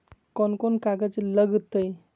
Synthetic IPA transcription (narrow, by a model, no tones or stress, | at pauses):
kɔnkonkaɡəd͡zləɡt̪ːəj